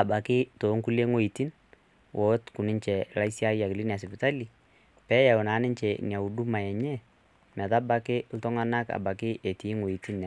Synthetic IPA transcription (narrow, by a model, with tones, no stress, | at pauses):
a˨ba˨kɪ˦toː˨˦ŋku˦le˦ŋo˦i˨ti˦n | wʔɔ˨˦tku˨nɪ˦ɲt͡ʃɛ˨la˦isja˦ja˨kɪ˨li˦nja˨sɪ˨pɪ˨ta˦li˨ | pɛ˦ja˨ʊ˨naː˨˦nɪ˦ɲt͡ʃɛ˨nja˨u˨du˦ma˨jɛ˨ɲɛ˦ | mɛ˨ta˦ba˨kɪ˦l̩tɔ˦ŋa˦na˦ka̰˨ba˨kɪ˦ʔe˨tiː˨˦ŋwo˨i˨ti˦nːa˨